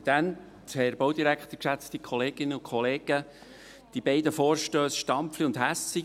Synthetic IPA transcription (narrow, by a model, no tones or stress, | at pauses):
d̥̪ænt | hɛɾbowd̪iɾækχt̪əɾkʃæt͡st̪ikχɔleːɡ̥ɪnːəʊkχɔleːɡ̥ə | d̥ibɛɪdəfoːɾʃtøːsʃtɑmpfliʊnd̪ɦæsi